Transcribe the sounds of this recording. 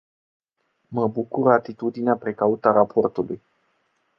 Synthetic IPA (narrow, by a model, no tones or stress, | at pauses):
məbukuɾəat̪it̪ud̪ineapɾe̞kaut̪aɾapʰo̞rt̪uluj